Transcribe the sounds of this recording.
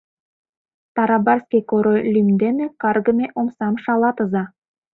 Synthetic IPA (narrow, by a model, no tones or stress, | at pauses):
t̪ɑɾɑbɑrskʲekoɾolʲymʲd̪enekɑrɡə̆mʲeʔomsɑmʃɑlˠɑt̪əzɑ